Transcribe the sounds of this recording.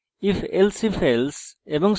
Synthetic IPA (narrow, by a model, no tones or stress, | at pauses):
ifelsifelseʋɔ̃ŋs